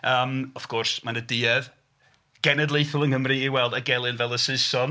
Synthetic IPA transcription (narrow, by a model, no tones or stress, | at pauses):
əːmɔv̥kʰɔrsmanədɪːɛð | ɡ̥ɛnɛdlˠejθʊlˠənkəmriːwɛlˠdaɡɛlˠɨnvɛlˠəsɪsɔn